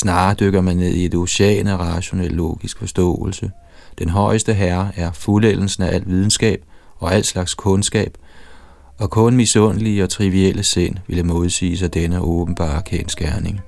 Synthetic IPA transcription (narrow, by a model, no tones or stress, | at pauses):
snɑ̈ːd̥øɡ̥ɐmænːe̝ð̞̰ˠie̝d̥o̝ɕɛ̰ːnɒʁɑ̈ɕo̝nelːo̝̰ːɡ̥isɡ̥fɒ̽sd̥ɔ̰̽ːl̩sə | d̥enɦɒ̽ɪəsd̥əɦæɐæɐfulel̰n̩sn̩æʔæl̰d̥ʋið̞ˠn̩sɡ̥ɛ̰ːb̥̚ | ɒ̽æl̰d̥slɑ̈ɡ̥skʰɔ̽nsɡ̥ɛ̰ːb̥ | ɒ̽kʰɔ̽nmisɔ̽nəliəɒ̽t͡sʰʁiʋieləsen̰ʋe̝ləmo̝ð̞ˠsḭːs̬ɑ̈ɪd̥enəʔɔːb̥n̩b̥ɑ̰̈ːkʰensɡ̥æɐne̝ŋ